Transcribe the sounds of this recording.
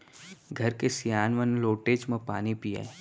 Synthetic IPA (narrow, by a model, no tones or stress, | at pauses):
ɡʱɐɾkesijaːnʋənloːʈeːd͡ʒmẽpaːnipiḛː